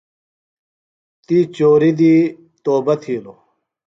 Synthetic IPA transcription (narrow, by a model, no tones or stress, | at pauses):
t̪it͡ɕoːɾid̪i | t̪oːbɐt̪ʰiːlo